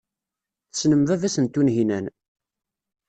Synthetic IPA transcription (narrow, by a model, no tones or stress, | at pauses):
θəsnəmvævæsənt̪ːunɦinæn